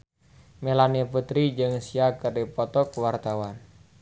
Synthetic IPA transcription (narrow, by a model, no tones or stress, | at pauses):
melaniaput̪ɾid͡ʒɨŋsiakɨrdipɔt̪ɔkwart̪awan